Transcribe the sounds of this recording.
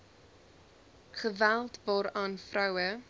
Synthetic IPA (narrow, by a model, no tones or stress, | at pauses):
χəvælˠtvɑːɾɑːnfrœwə